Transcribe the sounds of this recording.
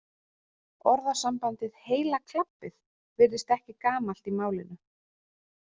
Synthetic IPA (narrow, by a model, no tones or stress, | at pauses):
ɔɾðasampant̪ɪðheːjlakʰlapːɪð | vɪɾðɪst̪ɛhcɪkaːmal̥t̪imaːwlɪnʏ